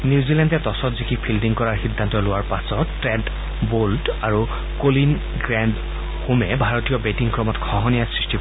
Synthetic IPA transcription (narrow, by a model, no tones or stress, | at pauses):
niʊzilɛndɛtɔsɔtzikʰipʰildiŋkɔɹaɹxidʱːantɔlʊwaɹpasɔtːɹɛnt | boldaɹu | kolin | ɡɹand | xumɛbʱaɹɔtijɔbetiŋkɹɔmɔtkʰɔɦɔnijasɹisti